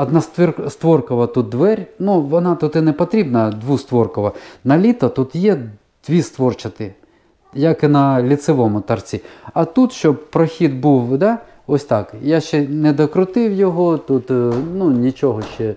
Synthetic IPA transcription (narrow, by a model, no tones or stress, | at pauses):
ɐd̪nɑst̪ʋrst̪ʋɔrkɔʋɐt̪ut̪̚d̪ʋɛɾʲnuʋɔnɑt̪ʊt̪ɪnɛpɔt̪ɾʲibnɐd̪ʋust̪ʋɔrkɔʋɐnɐlʲit̪ɐt̪ut̪jɛ | d̪̥ʋʲist̪ʋɔrt͡ʃɐt̪ɪ | jɐkɪnɐlʲit̪sɪʋɔmʊt̪ɐrt͡sʲiɐt̪ut̪ʃt͡ʃɔbpɾɔxʲid̪buwd̪ɑ | ɔsʲt̪ɑkjaʃt͡ʃɛnɛd̪ɐkɾʊt̪ɪwjɔɦɔt̪ut̪nunʲit͡ʃɔɦɔʃt͡ʃɛ